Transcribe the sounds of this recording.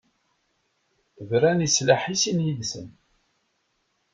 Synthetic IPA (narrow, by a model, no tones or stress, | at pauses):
vɾænislaħisinjiðsə̰n